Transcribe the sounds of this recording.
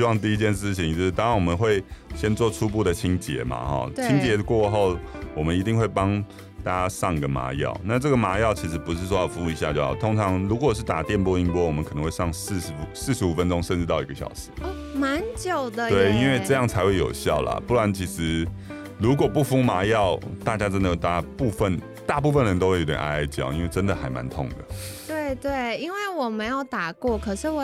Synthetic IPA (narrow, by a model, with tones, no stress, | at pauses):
ɕi˥wɑ˥˧ŋt̪̬i˥˧i˧˥t͡ɕjɛ˥˧nʂɻ̩˥˩t͡ɕʰi˨˩ŋt͡ɕjo˥˧ʂ̩˥˩ɑ˥nwɔ˨˩mə˦nxwe˥˩ɪɕjɛ˥nt͡swɔ˥˧ʈ͡ʂʰu˥pu˥˩d̪ə˩t͡ɕʰi˥ŋt͡ɕjɛ̰˧˥ma̰˨xɔ̰˥˩t̪t͡ɕʰi˦˥ŋt͡ɕjɛ˧˥kwɔ˥˧xo˥˩ʊwɔ˨˩mə˨˦ni˧t̪i˥˧ŋxwe˥˩ɪpɑ˥ŋ | t̪aa˥a˥sɑ˥˩ŋɡə˩ma̰˧˥jɑ̰˥˩ʊna˥˧ʈ͡ʂɤ˥˩ɡə˩ma˧˥jɑ˥˩ʊt͡ɕʰi˧˥ʂɻ̩˧˥pu˧˦ʂ̬ɻ̩˥˩ʂ̬wɔ˥jɑ˥˩fu˧˥u˧˩i˧˥ɕja̰˥˧t͡ɕjo˥˩ʊɑ̰˨˩t̪ʰo˥ŋʈ͡ʂʰɑ˧˥ŋlu˧˥kwɔ˨˩ʂ̬ɻ̩˥˩t̪a˨˩t̪jɛ˥˧˨npwɔ˥i˥˧ŋpwɔ˥wɔ˨˩mə˦nkʰn˧ŋxwe˥˧ʂɑ˥˧ŋs̩˥˧˩sɹ̩˥˩ʂɻ̩˧u˨˩fə˦nʈ͡ʂʊ˥ŋʂə˥˧nʈ͡ʂɻ̩˥˧t̪ɑ˥˩ʊi˧˥ɡə˩ɕjɑ̰˨˩ʊʂɻ̩˧˦ | ma˧˦nt͡ɕjo˨˩ʊd̪ə˦t̪we˥˩ɪi˥nwe˥˧ɪʈ͡ʂɤ˥˧jɑ˥˩ŋt͡sʰa˧ɪxwe˥˩ɪjo̰˨˩ʊɕjɑ˥˩ʊlə̰˩pu˥˩twa˧˥nt͡ɕʰi˧˥ʂɻ̩˧˥ | ɻu˧˥kwɔ˨˩pu˥˩fu˥ma˧˥jɑ˥˩ʊt̪a˥˩t͡ɕja˥ʈ͡ʂə˥nd̪ə˨˩jo˨˩t̪a˥˩pu˥˧fə˥˨n | t̪a˥˧p̬u˥˧fə˥˩nɻə˧˥nt̪o˥ʊwe˥˩˨jo˧˥t̪ʲjʲɛ̰˨˩nʔa̰˥a˥ɪt͡ɕjɑ̰˥˩ʊḭ˥nwe˥˩ɪʈ͡ʂə˦˥nd̪ə˨xa˧˥ɪma̰˧˥nt̪ʰʊ˥˩ŋd̪ə̰˩t̪we˥˩ɪt̪we˥˩ɪi˥nwe˥˩ɪwɔ˨˩mə˧˦njɑ˥˩ʊt̪a˨˩kwɔ˥˩kʰɤ˨˩ʂɻ̩˥˩wɔ˨˩